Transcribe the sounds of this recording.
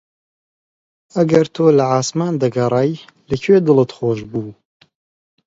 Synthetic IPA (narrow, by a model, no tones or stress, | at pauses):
ɐɡɐɾt̪ʰoːlɐʕaːsmaːnd̪ɐɡɐɾˤɑːj | lɐkʰweːd̪ɨlɨt̪χoːʒbuː